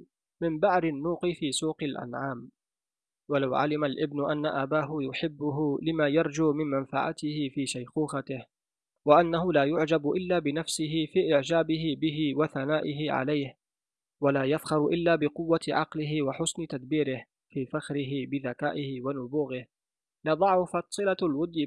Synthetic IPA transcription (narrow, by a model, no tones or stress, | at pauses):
mɪmbaʕɾɪnːuːqɪfiːsuːqɪlʔa̰nʕaːm | walawʕa̰lɪmalʔɪbnʊʔanːaʔabaːɦʊjʊħɪbːʊɦʊlɪmaːjɑɾˤd͡ʒuːmɪnmanfaʕa̰t̪ɪhɪfiːʃajquːxat̪ɪh | waʔanːaɦʊlaːjʊʕd͡ʒabʔɪlːaːbɪnafsɪɦɪfiːʔɪʕd͡ʒaːbɪɦɪbɪɦɪwaθanaːʔɪɦɪʕa̰lajh | walaːjafxɑɾˤʔɪlːaːbɪqʊwːat̪ʕɑ̰qlɪɦɪwaħʊsnɪt̪ad̪biːɾɪh | fiːfaxɾɪɦɪbɪðakaːʔɪhɪwanʊbuːɣɪh | lɑd̪ˤɑʕʊfat̪sˤɨlalwʊd̪ːɪ